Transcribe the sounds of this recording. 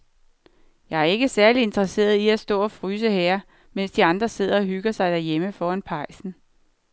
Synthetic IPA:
jɑ̈ɪæɐe̝ɡ̥əsæɐlie̝nd̥ʁɐse̝̰ːɐð̞ˠiæsd̥ɔ̰̽ːɒ̽fʁyːs̬əhɛːɐ | men̰sd̥iɑ̈nd̥ʁɐse̝ð̞̰ˠɐɒ̽ɦyɡ̥ɐsɑ̈ɪd̥æɐjeməfɒːænpʰɑ̈ɪ̰sn̩

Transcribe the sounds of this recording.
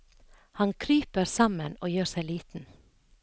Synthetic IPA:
hɑnkʰɾyːpəɾsɑmənoːjøːɾsæɪliːt̪n̩

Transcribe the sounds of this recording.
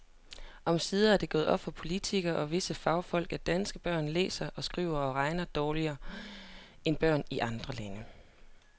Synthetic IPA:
ʔɒ̽msiːðˠæɐd̥e̝ɡ̥ɔ̽ːð̩ˠɒ̽b̥fɒ̽pʰo̝lit͡sʰiɡ̥ɐʔɒ̽ʋe̝səfɑ̈ʊfɒ̽l̰ɡ̥æd̥ænsɡ̥əb̥ɶɐ̰nlḛːsɐʔɒ̽sɡ̥ʁḭʊ̰ɐɒ̽ʁɑ̈ɪnɐd̥ɒːliɐː | enb̥ɶɐ̰niʔɑ̈nd̥ʁɐlænə

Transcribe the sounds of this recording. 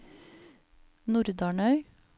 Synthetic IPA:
nʊɾd̪ɑːɳœʏ

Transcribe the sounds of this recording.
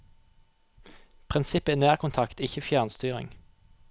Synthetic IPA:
pʰʁɪnsɪpəinæːʁkʰʊnt̪ʰɑkt̪ɪçəfjæːʁnst̪yːʁɪ̰ŋ

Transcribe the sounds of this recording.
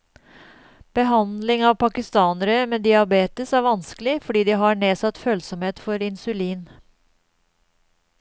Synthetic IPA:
b̥əɦɑnd̪lɪŋɑːʋpʰɑkɪst̪ɑːnəɾəmeːd̪ɪɑbeːt̪əsæːɾʋɑnskəlɪfɔɖiːd̪iɦɑɳeːsɑt̪føːlsɔmheːt̪fɔɾɪnsʉliːn

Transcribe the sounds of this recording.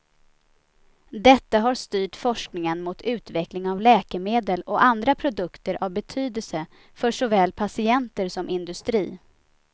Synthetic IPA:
d̪ɛt̪ːaɦaɾst̪yːʈfɔʂknɪŋənmʊt̪ʰʉ̟ːt̪vɛklɪŋavlɛːkəmeːd̪əlɔand̪ɾapʰɾʊd̪ɵkt̪əɾʔavbɛt̪ʰyːd̪əlsə | fœʂɔvɛːlpʰasɪɛnt̪əɾsɔmʔɪnd̪ɵst̪ɾḭː

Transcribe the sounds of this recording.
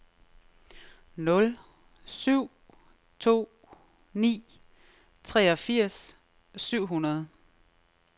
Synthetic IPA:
nɔ̽l | syʊ̰ | t͡sʰo̝̰ː | nḭː | t͡sʰʁɛɒ̽fiɐ̰s | syʊ̰ɦunɐð̞ˠ

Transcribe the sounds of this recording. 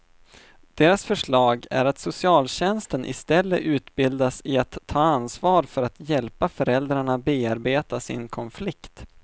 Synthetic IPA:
d̪̥eːɾasfœʂɭɑːɡæ̰ɾat̪sʊsɪɑːlɕɛnst̪ənʔɪ̰st̪ɛlːəʔʉ̟ːt̪bɪld̪asɪat̪ʰːɑːansvɑːɾfœɾat̪jɛlpafœɾɛld̪ɾaɳabeːaɾbeːt̪asɪ̰nkʰɔnflɪkt̪

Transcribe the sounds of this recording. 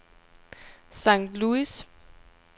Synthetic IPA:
sɑ̈ŋ̰d̥luis

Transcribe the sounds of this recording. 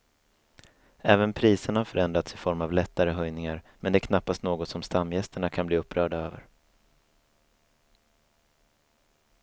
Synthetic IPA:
ɛːvənpʰɾiːsəɳhaɾfœɾɛnd̪ɾat̪sɪfɔɾmavlɛt̪ːaɾəɦœjnɪŋaɾ | mʔɛnd̪ɛækʰnapːast̪noːɡɔt̪sɔmst̪amːjɛst̪əɳakʰanbliːɵpːɾœːɖaøːvə̰ɾ

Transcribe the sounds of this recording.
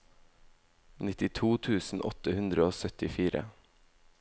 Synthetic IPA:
nɪt̪ɪt̪ʰuːt̪ʰʉːsn̩ʔɔ̰t̪əhʉnd̪ɾəoːsœt̪ɪfiːɾə̰

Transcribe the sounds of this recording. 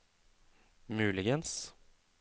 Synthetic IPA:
mʉːlɪɡəns

